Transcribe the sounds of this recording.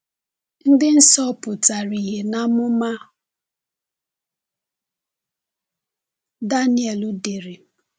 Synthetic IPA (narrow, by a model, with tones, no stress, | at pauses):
n̩˦dɪ˦n̩˦sɔ˦pʊ˨ta˨ɾi˨ɦe˨na˦mʊ˦ma˦ | da˦ni˦ɛ˨lu˦de˨ɾe˨